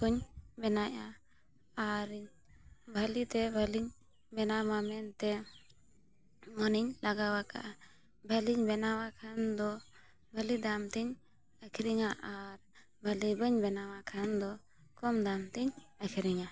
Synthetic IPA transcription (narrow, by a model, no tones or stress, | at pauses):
kuɲbɛnaʔa | aɾiɲ | bʱəlit̪ɛbʱəliɲ | bɛnamamɛnt̪ɛ | mɔniɲlaɡawaka̰ʔa | bʱəliɲbɛnawakʰand̪ɔ | bʱəlid̪amt̪iɲ | əkʰiɾiŋaʔaɾ | bʱəlibəɲbɛnawakʰand̪ɔ | kɔmd̪amt̪iɲəkʰiɾiŋa